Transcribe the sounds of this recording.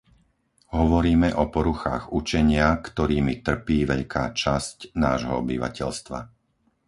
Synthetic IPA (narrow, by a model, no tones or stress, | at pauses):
ɦɔʋɔɾiːmɛʔɔpɔɾuxa̰ːɣut͡ʃɛɲɪakt̪ɔɾiːmit̪r̩piːʋɛʎkʰaːt͡ʃascnaːʒɦɔ̰ɔbiʋa̰cɛ̰ʎst̪ʋa̰